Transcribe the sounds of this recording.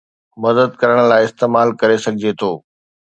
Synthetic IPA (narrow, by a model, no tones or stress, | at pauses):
mɐd̪əd̪kɐɾəɽ̃̆laːɪɪst̪eːmaːlkɐɾesɐɡʱɪd͡ʑet̪ʰoː